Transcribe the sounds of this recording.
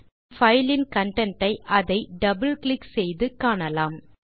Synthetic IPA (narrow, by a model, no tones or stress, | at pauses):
fɐjlɪnkɐɳʈɐɳʈɐɪʔɐðɐɪɖɐbɐlklɪksɛjðɯkaːɳɐlaːm